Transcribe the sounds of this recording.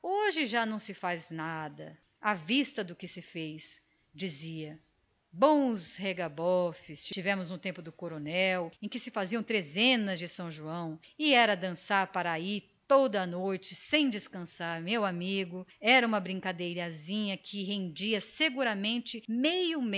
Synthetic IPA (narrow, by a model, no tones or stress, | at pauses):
oʒɪʒanɐ̃w̃sɪfaznad̪ɐ | avist̪ɐd̪ʊkɪsɪfejs | d͡ʒiziɐ | bõw̃sheɡabɔfɪst͡ʃit͡ʃivɛ̃mʊznʊt̪ẽmpʊd̪ʊkoɾonɛwẽj̃kɪsɪfaziɐ̃w̃t̪ɾezẽnɐzd͡ʒɪsɐ̃w̃ʒuɐ̃w̃ɪɛɾɐd̪ɐ̃saɾpaɾait̪od̪ɐːnojt͡ʃɪsẽj̃d͡ʒɪskɐ̃saɾmewamiɡʊɛɾɐũmɐbɾĩŋkad̪ejɾɐzĩɲɐkʰɪɦẽnd͡ʒiɐseɡuɾɐmẽnt͡ʃɪmejʊm